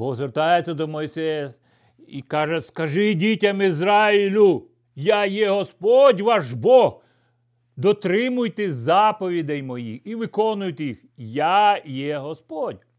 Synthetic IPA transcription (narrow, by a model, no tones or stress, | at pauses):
bɔzʋeɾt̪ɑjet͡sʲːɐd̪ɔmɔjsɛjɐ | ikɑʒɛskɐʒɪdʲitʲɐmizɾɑilʲʊ | jɑjɛɦɔspɔdʲʋɑʒbɔh | d̪ɔt̪ɾɪmʊjt̪ɛzɑpɔʋʲid̪ɛjmɔjḭiʋɪkɔnʊjt̪jixjajɛɦɔspɔdʲ